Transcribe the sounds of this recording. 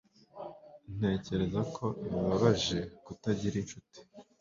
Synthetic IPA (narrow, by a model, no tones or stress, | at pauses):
n̥e̞ːce̞ɾe̞zakʰo̞iβaβaʒe̞kutaɟiɾinʃuti̥